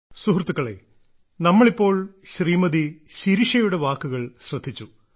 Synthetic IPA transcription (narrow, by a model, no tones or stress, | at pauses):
suɦrt̪ːukːɐɭḛː | nɐmːɐɭipːo̞ːɭɕriːmɐðiɕiɾiʂɐjuɽe̞ʋaːkːuɣɐɭɕrɐd̪ʱːit͡ɕːu